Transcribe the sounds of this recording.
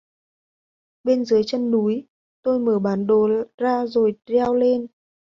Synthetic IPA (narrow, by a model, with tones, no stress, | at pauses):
ɓe˧nzɨ˨˦əjt͡ɕə˧nːu˨˦j | t̪o˧jməː˧˩ɓaː˨˦nɗo˨˩zaː˧zo˨˩jzɛ˧wle˧n